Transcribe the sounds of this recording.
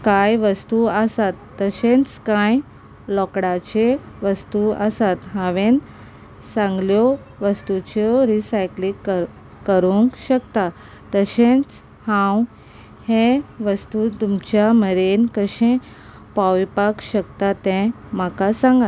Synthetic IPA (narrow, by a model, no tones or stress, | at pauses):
kajʋəst̪uəsat̪ːəɕẽnt͡skãj | lɔkɽat͡ɕe | ʋəst̪uəsat̪ɦãʋẽn | sãŋɡljɔ | ʋəst̪ut͡ɕɔɾisajklikə | kəɾũŋɡɕəkt̪a | t̪əɕẽnt͡s | hãw | hẽʋəst̪ut̪umt͡ɕjaməɾenkəɕɛ̃ | paʋipakɕək̚t̪at̪ɛ̃makasãŋɡa